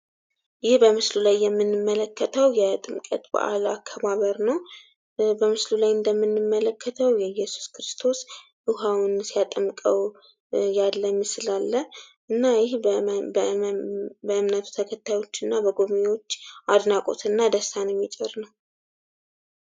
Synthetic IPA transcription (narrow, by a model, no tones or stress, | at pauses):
jɪhbəmɨslulajːɛmːɨnːɨmːələkʰːət̪ʰəwjɛt̪ʼɨmkʼə̰t̪ʼbə̰ʔa̰lakʰːəβaβəɾnəw | bəmɨslulajɨnd̪əmːɨnːɨmːələkʰːət̪ʰəwjɛjɛsu̥skʰɾɨst̪ʰo̞s | ʔɨɦawnsijat̪ʼəmkʼəw | jalːəmːɨslalːəʔɨnːajɪh | bəɨmnət̪ʰu̥t̪ʰəkʰət̪ʰːajo̞t͡ʃːɨnːabəɡo̞βmewo̞t͡ʃːad̪nakʼo̞̰t̪ʰɨnːad̪əsanjɛmːit͡ʃʼɪɾnəw